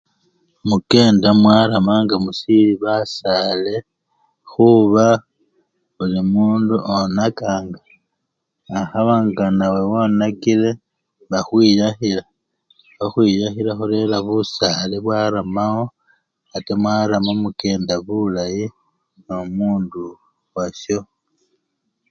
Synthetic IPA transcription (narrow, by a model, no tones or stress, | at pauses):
muke̞ːndamwaɾamaŋɡamusiliβasale̞ | xuβa | ulimuːnduʔonakaːŋɡaː | xaβaŋɡanawe̞wonakiɾe̞ | βaxwiːɾaxila | βaxwiːjaxiɾaxuɾe̞laβusaleβwaːɾamawo̞ | atemwaɾamomuke̞ːndaβulaji | nomuːndu | waso̞